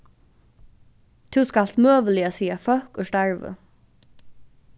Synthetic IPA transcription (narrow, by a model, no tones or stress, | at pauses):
t̪ʰuskal̥t̪møːʋəlɪasiːafœhkʏst̪aɹʋə̰